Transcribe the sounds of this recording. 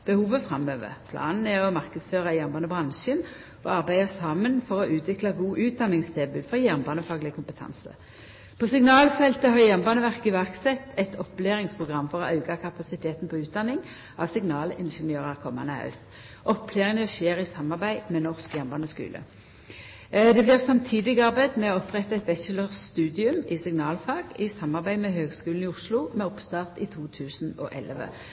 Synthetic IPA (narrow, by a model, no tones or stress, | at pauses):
b̥əhuːʋəfʁɑmøːʋə̰pʰlɑ̰ːnn̩ɛɔmɑʁkəd̪sføːʁɑjæʁmbɑːnəbʁɑnʃən | ʔɔ̰ɑʁbæɪɑsɑːmənfɔʁɔʔʉːt̪ʰʋɪklɑɡuːʔʉːt̪̚d̪ɑnːɪŋst̪ʰebʉlfɔʁjæʁmbɑːnəfɑːɡlɪəkʊmpət̪ʰɑ̰nsə̰ | pʰoːsɪŋnɑːlfɛlt̪əhɑːʁjæʁmbɑːnəʋæʁkɪʋæʁksɛt̪ʰːɛt̪ʰɔpːleːʁɪŋspʰʁʊɡʁɑmːfɔʁɔɑʉɡɑkʰɑpɑsɪt̪ʰeːt̪n̩pʰɔʉːt̪̚d̪ɑnːɪŋ | ɑʋsɪŋnɑːlɪnʃənjøːʁəʁkʰɔmɑ̰nəhɑ̰ʉst̪ | ʔɔpʰleːʁɪnəɔʃeːʁɪsɑmːɑʁbæɪmɛnɔʁskjɛʁmbɑːnəskʉ̰ːlʔə̰ | d̪ɛblɪʁsɑmt̪ʰiːd̪ɪɡɑʁbæɪd̪mɛoɔpʁɛt̪ːɑɛt̪ʋɛsələʁst̪ʉːd̪ɪʉmɪsɪŋnɑːlfɑːɡ̥ɪsɑmːɑʁbæɪmɛɦøːɡskʉːlnɪʊʂlʊmɛɔpst̪ɑːʁt̪ɪt̪ʰuːt̪ʰʉːsn̩ɔ̰ʔɛ̰ləʋə̰